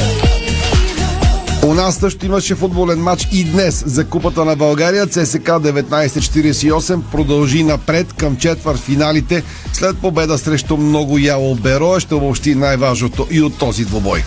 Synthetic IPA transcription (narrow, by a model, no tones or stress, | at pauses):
onasːəʃt̪oimɐʃɛfud̪̚bolɛnmat͡ʃid̪nɛszɐkupət̪ənɐbɐlˠɡaɾijət̪sɛsɛkad̪ɛvɛt̪najsɛt͡ʃɛ̥t̪iɾiɛsɛiɔsɛmpɾod̪ɐlˠʒinɐpɾɛt̪kəmt͡ʃɛt̪vəɾt̪finalit̪ɛ | slɛt̪̚pobɛd̪əsɾɛʃt̪omnɔɡʊjalˠobɛɾɔɛʃt̪ɛobopʃt̪inajvaʒnot̪oʔiot̪ːɔzid̪vobɔj